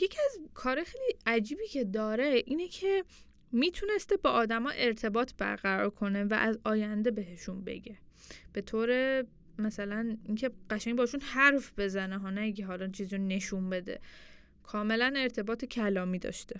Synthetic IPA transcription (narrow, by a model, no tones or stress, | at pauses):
je̞cʰiæzkʰɒːɾɒːjexeliæd͡ʒiːbiːcʰe̞d̪ɒːɾeʔiːnecʰe̞ | miːt̪ʰune̞st̪ebɒːʔːd̪æmɒːʔe̞ɾt̪ʰe̞bɒːt̪ʰb̥æ̰ɾɣæɾɒːɾkʰo̞ne̞væ̰ʔæzɒːjænd̪e̞be̞ɦeʃunbḛɟe̞ | b̥e̞t̪ʰoːɾe̞ | mæsælæniːcʰe̞ɢ̥æʃæŋbɒːiʃunhæɾfbe̞zæneɦɒːnæɡʰeɦɒlɒt͡ʃʰiːziɾone̞ʃumbe̞d̪ḛ | kʰɒːme̞læne̞ɾt̪ʰe̞bɒːt̪ʰecʰælɒːmiːd̪ɒ̰ːʃt̪e